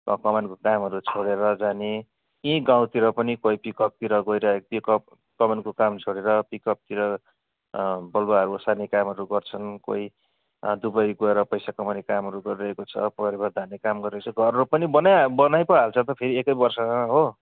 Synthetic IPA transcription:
kʌkʌmankokamɦʌɾut͡sʰoɽeɾʌd͡zane | ĩɡãw̃t̪iɾʌpʌnikojpikʌp̚t̪iɾʌɡʌjɾʌekt̪jokʌp | kʌmankokamt͡sʰoɽeɾʌpikʌp̚t̪iɾʌ | bʌlbaɦʌɾuʌsanekamɦʌɾuɡʌrt͡sʰʌnko̰i | d̪ubʌjɡʌeɾʌpʌjsakʌmanekamɦʌɾuɡʌɾiɾʌɦekot͡sʰʌ̰pʌɾibʌd̪ʱanekamɡʌɾiɾʌkt͡sʰʌɡʱʌɾɾopʌnibʌnabʌnajpʌɦalt͡sʰʌt̪ʌpʰeɾiekʌjbʌrsʌaaɦo

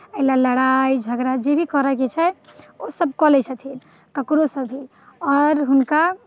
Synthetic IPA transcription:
əilaləɽaid͡ʒʱəɡɾad͡ʒebʱikɔɾəket͡ʃʰɛosəb̚kɔlɛt͡ʃʰət̪ʰin | kəkɾosəbʱːi | ɔɾɦunka

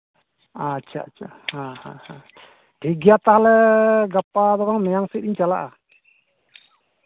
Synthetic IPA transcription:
at͡ʃʰa̰t͡ʃʰa | hãhãhã | ɖʰʱiɡijat̪aɦalɛɡapad̪ɔɡaŋmɛjaŋsit̪̚iɲt͡ʃala̰ʔa

